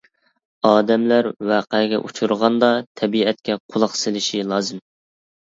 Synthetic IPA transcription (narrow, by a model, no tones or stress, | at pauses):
ɑːd̪ɛmlæɾwæːqɛɡʲɛ̰ʔut͡ʃʰuɾʁɑnd̪ɑt̪ʰɛbiɛt̪̚kʲɛqʰolˠɑχsɪlɪʃilˠɑːzɨm